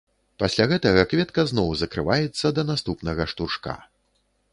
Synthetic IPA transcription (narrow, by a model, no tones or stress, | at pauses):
pasʲlʲaɣɛt̪ɐɣɐkvʲɛt̪kɐznɔwzɐkɾɨvajɛt̪sːɐd̪ɐnast̪upnɐɣɐʂt̪uʂka̰